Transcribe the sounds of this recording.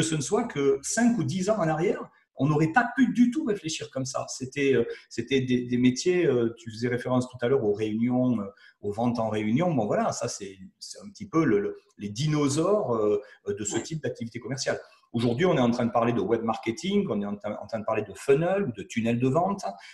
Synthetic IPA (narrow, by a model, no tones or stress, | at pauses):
kəsənəswakʰəsɛ̃kud̪izɑ̃ɑ̃naʁjɛʁ | ɔ̃nɔʁɛpapyd̪yt̪uʁefleʃiʁkɔmsa̰set̪ɛøset̪ɛd̪ed̪emet̪jeøt̪yfəzɛʁefeʁɑ̃st̪ut̪alœʁoʁeynjɔ̃øovɑ̃t̪ɑ̃ʁeynjɔ̃bɔ̃vwalasasɛsɛt̪ɛ̃pə̥t̪ipølələ | led̪inozɔʁød̪əsət̪ip̚d̪ak̚t̪ivit̪ekɔmɛʁsjal | oʒuʁd̪ɥiɔ̃nɛt̪ɑ̃t̪χɛ̃d̪əpaʁled̪əwɛbmaʁkʲet̪iŋɡɔ̃nɛt̪ɑ̃t̪ɛ̃ɑ̰̃t̪χɛ̃d̪əpaʁled̪əfənœlud̪ət̪ynɛld̪əvɑ̃t̪